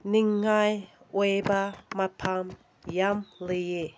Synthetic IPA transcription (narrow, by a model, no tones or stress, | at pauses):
niŋːaj | webamapʰam | jamlije